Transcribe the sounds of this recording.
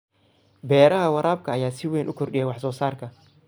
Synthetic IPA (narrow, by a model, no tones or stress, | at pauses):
bɛːɾɐɦɐwɑɾaːb̚kʰɐːjaːsɪwɛːnʔʊkʰɔrɗɪjɛwɑħsɔːsaːrkʰɐ